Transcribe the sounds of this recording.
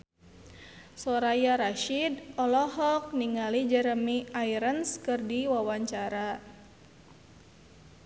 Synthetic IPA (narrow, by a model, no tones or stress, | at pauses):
sɔɾajaɾaʃidɔlɔɦɔk̚niŋalid͡ʒɛɾəmiaiɾənskɨrdiwawaɲt͡ʃaɾa